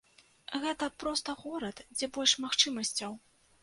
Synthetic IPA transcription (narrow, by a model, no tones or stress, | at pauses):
ɣɛt̪ɐpɾɔst̪ɐɣɔɾɐt̪d͡zʲɛbɔlʲʂmaxt͡ʂɨmɐsʲt͡sʲɐw